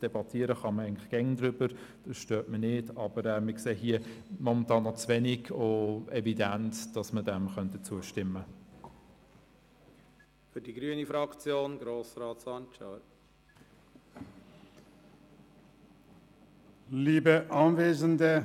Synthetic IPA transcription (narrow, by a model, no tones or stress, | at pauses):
d̥ɛbɑtʰiːəɾəχɑməæɪɡən̩tlɪ̥χɡ̥ɛŋdɾʏbəɾd̥ɑsʃtøːtmənɪdɑb̥əɾɛmɪkseːɦiəmɔmɛntʰɑːnːɔt͡svɛniɡoɛvidænt͡sd̥ɑsmədɛmχœnt̚ət͡suəʃtɪmːə | fyɾdiɡɾyənifɾɑkt͡sjoːnɡɾoːsɾɑːt͡sɑnt͡ʃa | liːbəʔɑːnveːzəndə